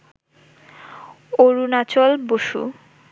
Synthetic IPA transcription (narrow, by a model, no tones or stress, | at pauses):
oɾunat͡ɕɔlboʃṵ